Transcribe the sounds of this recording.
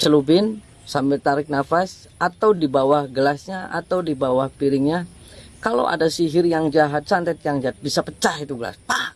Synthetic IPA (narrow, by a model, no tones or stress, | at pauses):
t͡ʃəlubɪn | sambɪlt̪aɾɪk̚nafas | ʔat̪awdibawahɡəlasɲaʔa̰t̪awdibawahpiɾɪŋɲa | kalo̰ʔa̰dasiɦɪrjaŋd͡ʒaɦat̪̚sant̪ɛt̪̚jaŋd͡ʒaɦat̪̚bisapət͡ʃahit̪uɡəla̰spah